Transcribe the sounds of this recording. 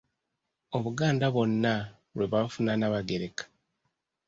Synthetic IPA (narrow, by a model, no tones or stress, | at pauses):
o̞βuɡaːndaβo̞nːa | ɾweβafunanaβaɡe̞ɾe̞kḁ